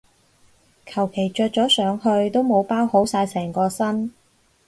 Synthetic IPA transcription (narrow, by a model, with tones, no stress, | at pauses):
kʰɐ˨˩wkʰe˨˩jt͡ʃœː˧t̚t͡sɔː˨˥sœː˨˧ŋhɵ˧ɥt̪o˥wmo˨˧wpaː˥who˨˥wsaː˧jsɛː˨˩ŋkɔː˧sɐ˥n